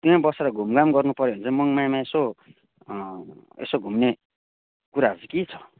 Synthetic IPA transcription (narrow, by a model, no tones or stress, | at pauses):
t̪iãbʌseɾʌɡʱumɡamɡʌrnupʌɾoɦʌnt͡sʌmʌŋmajmãeso | ḛsoɡʱumne | kuɾaɦʌd͡zukit͡sʰʌ̥